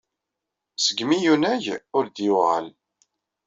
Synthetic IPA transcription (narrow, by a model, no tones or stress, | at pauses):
səɡːmijunæʝʊɾd̪juʁə̰l